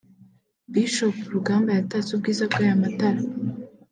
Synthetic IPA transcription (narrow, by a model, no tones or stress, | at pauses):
biʃopuɾuɡaːmbajatat͡sub̚ɡiːzabɡaːjamataɾa